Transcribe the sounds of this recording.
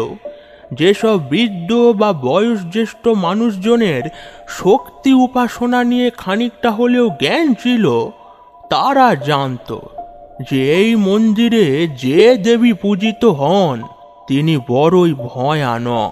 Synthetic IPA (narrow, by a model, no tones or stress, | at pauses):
d͡ʑeʃɔbːɾid̪ːobabɔeoʃd͡ʑeʃʈomanuʃd͡ʑoneɾʃokt̪iupaʃonanijekʰanik̚ʈaɦoleoɡɛnt͡ɕʰilo | t̪aɾad͡ʑant̪o̰d͡ʑeejmond̪iɾed͡ʑed̪ebipud͡ʑit̪oɦɔn | t̪inibɔɾoibʱɔea̰nɔ̰